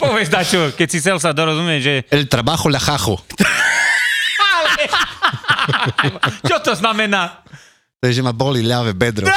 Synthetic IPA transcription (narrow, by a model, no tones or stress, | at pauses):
pɔʋɛzd̪at͡ʃɔkɛcsis̬ɛls̬ad̪ɔɾɔzumjɛʒɛɛlt̪ɾabaxɔlaxaxut̪ | alɛ | t͡ʃɔt̪ɔznamɛna | t̪ɔɛʒɛmabɔlilavɛbɛd̪ɾɔ